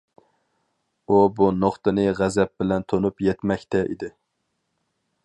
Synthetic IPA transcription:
ubunoχt̪ɨnɨʁæzɛp̚bɪlɛnt̪ʰonupjɛt̪mɛkʲt̪ʰɛʔḭd̪ɪ

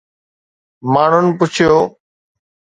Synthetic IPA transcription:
maːɳ̤ʊnpʊt͡ɕʰɪjoː

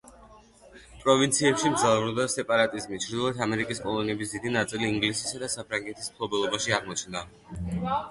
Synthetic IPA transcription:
pʼɾɔvint̪sʰiɛpʃimzavɾud̪asɛpʼaɾat̪ʼizmit͡ʃʰɾd̪ilˠɔɛt̪ʰamɛɾikʼiskʼɔlˠɔniɛbis̬d̪id̪inat̪sʼiliːŋɡlisisad̪asapʰɾaŋɡɛt̪ʰismpʰlˠɔbɛlˠɔbaʃiaʁmɔt͡ʃʰnd̪a

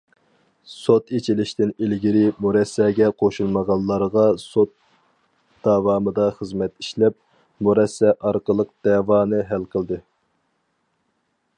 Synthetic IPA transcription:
sot̪et͡ʃʰilɪʃt̪ɪnelɡʲiɾɪmuɾɛsːɛːɡʲɛqʰoʃulˠməʁɑlˠːɑɾʁɑsot̪̚ | d̪̥ɑwɑːmɨd̪ɑχəzmɛt̪iʃlɛp̚ | muɾɛsːɛʔɑɾqəlˠəq̚d̪̥ɛːwɑːnɨɦælqʰəlˠd̪ɨ

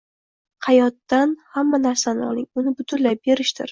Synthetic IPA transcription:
qʰajɒt̪ːanhamːanaɾsanɪɒ̰lˠɪŋʊnɪbʊt̪ʰʊnlap̚be̞ɾɪʃt̪ɪ̰ɾ

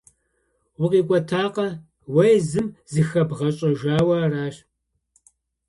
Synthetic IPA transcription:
wʊqʼiːkʷʼɔtʰaːqɐ | wɐjzɨmzɨxɐbʁɐɕʼɐʒaːwɐraːʃ

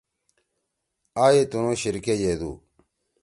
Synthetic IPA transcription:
aːjet̪unõːɕiɾkeːd͡ʑeːd̪ṵː

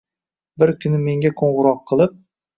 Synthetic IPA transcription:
bɪɾkʲʰʊnɪme̞ŋɡʲakʰoɴʁʊɾɒqʰːɨlˠɪp̚

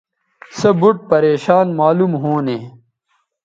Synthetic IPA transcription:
sɐbuʈ̚pɐɾeːɕaːnmaːlumɦoːneː

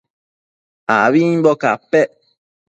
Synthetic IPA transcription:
aβiɲbɔkapɛʔ

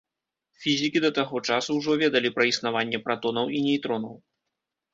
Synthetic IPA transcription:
fʲizʲikʲid̪ɐt̪aɣɔt͡ʂasuwʐɔvʲɛd̪ɐlʲipɾɐisnavanʲːɛpɾat̪ɔnɐwʔinʲɛjt̪ɾɔnɐw

